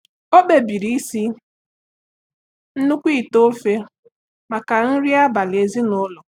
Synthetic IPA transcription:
o˦be˨bi˨ɾi˦i˦si˦ | n̩˦nu˦kʷi˦˨to˦fe˦ | ma˨ka˨n̩˦ɾi˦a˦ba˨lɪ˨e˨zi˦nʊ˦lʊ˨

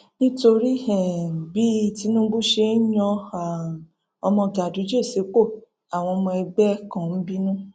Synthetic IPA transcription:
nĩ˦to˧ɾi˦ɛ˨bi˦˧ti˧˦nũ˦ɡ͡bu˦ʃe˧˦j̃ɔ̃˧a˨ | ɔ˧mɔ̃˧˨da˨du˨˦d͡ʒe˦˨se˨˦k͡po˦˨ | a˨w̃ɔ̃˧mɔ̃˧ɛ˧ɡ͡bɛ˦kã˨n̩˦bi˦nũ˦

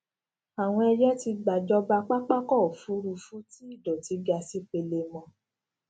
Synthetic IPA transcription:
a˨w̃ɔ̃˧ɛ˧d͡ʒɛ˦ti˧ɡ͡ba˨d͡ʒɔ˧ba˧k͡pa˦k͡pa˦kɔ˦˨fu˨˦ɾu˧fu˦ti˦i˦˨dɔ˨ti˨˦ɡa˧si˦k͡pe˧le˧mɔ̃˧

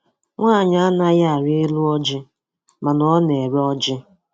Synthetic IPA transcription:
ŋʷaː˦˨ɲa˦a˦na˦ja˦a˨ɾi˦e˦lu˦ɔ˦d͡ʒɪ˦ | ma˨nɔ˦ne˨ɾe˦ɔ˦d͡ʒɪ˦

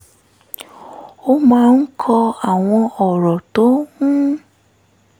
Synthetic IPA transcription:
o˦mãː˦˧n̩˦kʰɔ˧a˨w̃ɔ̃˧ɔ˨ɾɔ˨to˨˦ŋũ˦

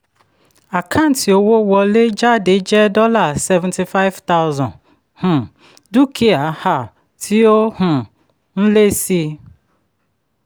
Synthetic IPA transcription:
a˨kʰa˦n̩˨˦ti˨o˨wo˦wɔ˨le˦d͡ʒa˦de˨˦d͡ʒɛ˦dɔ˦la˨sɛ˦vɛ̃˨nti˨fa˦ɪ˦vta˦ʊ˦zɔ̃˨ | hʊ̃˨ | du˦kʰi˦a˨˦ha˦˨ | tʰi˦o˦hʊ̃˨ | n̩˦le˦si˦

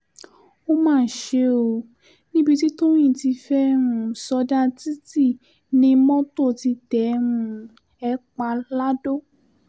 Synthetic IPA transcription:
o˦mãː˦˨ʃe˧o˧ | nĩ˦bi˧ti˦to˦j̃ĩ˦˨ti˧fɛ˦ɾ̃ũ˧sɔ˧da˦ti˦ti˦˨ | nĩ˧˦mɔ̃˦to˦˨ti˧tɛ˨˦ɾ̃ũ˧ | ɛ˧˦k͡pa˧la˦do˦

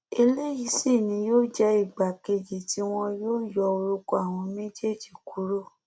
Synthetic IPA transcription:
e˧le˦ji˧si˦˨nĩ˨˧˦joː˦˨d͡ʒɛ˦i˦˨ɡ͡ba˨ke˧d͡ʒi˨ti˦w̃ɔ̃˧joː˦jɔ˧o˧ɾu˧ko˧˦a˦˨w̃ɔ̃˧me˦d͡ʒe˦˨d͡ʒi˨ku˨˦ɾo˦˨

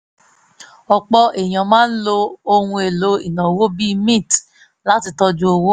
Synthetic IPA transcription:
ɔ˨k͡pɔ˧ʔe˨j̃ã˨mãː˦n̩˦lo˧o˧hũ˧e˨lo˨˦ḭ˨nã˨wo˦bi˦mĩ˦˨t | la˦ti˧tɔ˧d͡ʒũ˧˦o˧wo˦

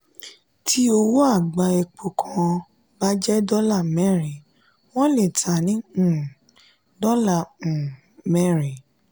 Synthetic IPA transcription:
tʰi˦o˧wo˦a˦˨ɡ͡ba˧ɛ˧k͡po˨kʰɔ̃˨ | ba˦d͡ʒɛ˦dɔ˦la˦˨mɛ˦˨ɾi˨ | w̃ɔ̃˦le˦˨tʰa˨nĩ˨˦˨ | dɔ˦lã˦˨ | mɛ˦˨ɾi˨

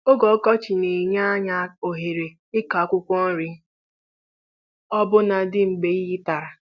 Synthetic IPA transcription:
o˦ɡɔ˨˦kɔ˦t͡ʃɪ˨ne˨ɲa˦ɲa˨˦o˨ɦe˨ɾe˨ | ɪ˦ka˨˦kʷʊ˦kʷɔ˦n̩˦ɾɪ˨˦ | ɔ˦bʊ˦na˨dɪ˦ŋ͡m̩˨ɡ͡be˨˦ɣi˦ta˨ɾa˨

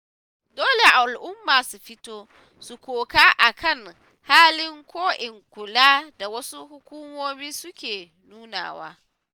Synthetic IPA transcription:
doː˦le˨ʔa˨lʔʊ˦mːaː˨su˨ɸɪ˦toː˦ | su˨kʷoː˨kaː˦ʔa˨kʰɐ˦˨ŋ | haː˦lɪ˦ŋkʷoː˦ʔɪ˨ŋkʷʊ˨laː˦da˨wɐ˦su˦hʊ˦kʷu˦moː˦miː˦sʊ˦kʲeː˨ | nuː˦na̰ː˨wa̰ː˦

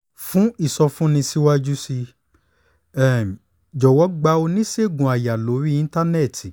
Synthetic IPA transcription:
fũ˦i˦˨sɔ˧fũ˦nĩ˧si˦wa˦d͡ʒu˦si˧ | ɛ˦˨ | d͡ʒɔ˨wɔ˨˦ɡ͡ba˧˦o˧nĩ˦se˦˨ɡũ˨a˨ja˨lo˨˦ɾi˦ĩ˦ta˦nɛ˦˨tʰi˨

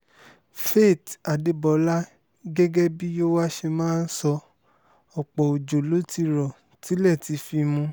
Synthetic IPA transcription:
fe˦˨ta˨de˨˧bɔ˨la˦ | ɡɛ˦ɡɛ˦bi˦jo˦wa˦ʃe˧mãː˦n̩˦sɔ˧ | ɔ˨k͡pɔ˨o˨d͡ʒo˨lo˦ti˦˧ɾɔ˨ | ti˨˦lɛ˦˨ti˧˦fi˧mũ˧

